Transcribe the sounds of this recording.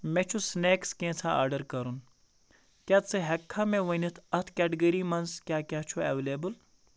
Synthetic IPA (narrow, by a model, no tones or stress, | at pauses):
mẽːt͡ʃʰusneːkskẽːt͡sʰãa̰ːɾɖəɾkɐɾun | kjaːt͡sɨɦɛkʰːãːmẽːʋɐnit̪ʰɐt̪ʰkʲɛːʈiɡəɾimɐnskʲjaːkʲaːt͡ʃʰueʋeleːbɨl